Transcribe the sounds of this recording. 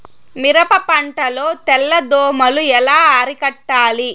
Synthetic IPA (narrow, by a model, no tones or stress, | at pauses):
miɾɐpɐpɐɳʈɐlo̞ːt̪ɛlːɐd̪oːmɐluɛlaːaːɾikɐʈːaːli